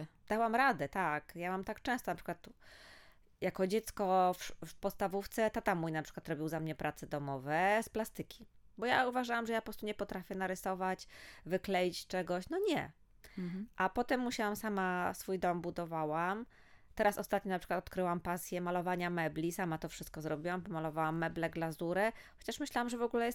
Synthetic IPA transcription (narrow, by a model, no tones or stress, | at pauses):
d̪̥awamɾad̪ɛt̪akjamamt̪akt͡ʂɛ̃w̃st̪ɔnapʂɘ̥kwat̪ | jakɔd͡ʑɛt̪skɔffpɔt̪st̪avuft̪sɛt̪at̪amːujnapʂɘ̥kwat̪ɾɔbʲiwzamɲɛpɾʔat̪sɛd̪ɔmɔvɛsplast̪ɘkʲʰi̥ | bɔjauvaʐawamʐɛjapɔpɾɔst̪uɲɛpɔt̪ɾafʲjɛnaɾɛsɔvat͡ɕvɘklɛjit͡ɕt͡ʂɛɡɔɕnɔɲɛ̰ | ʔapɔt̪ɛmːuɕawamsamasfujd̪ɔmbud̪ɔvawam | t̪ɛɾasɔst̪at̪ɲɔnapʂɘ̥kwat̪ɔt̪̚kɾɘwampasʲjɛmalɔvaɲamɛblʲisamat̪ɔfʂɘst̪̚kɔzɾɔbʲiwampɔmalɔvawamːɛblɛɡlazuɾɛ | xɔ̥t͡ɕaʂmɘɕlawamʐɛvɔɡulɛjɛst̪